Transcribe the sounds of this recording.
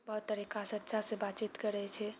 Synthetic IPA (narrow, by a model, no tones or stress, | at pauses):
bəɦt̪ːəɾikasətːʃʰasẽbat͡ʃit̪kəɾɛt͡ʃʰɛ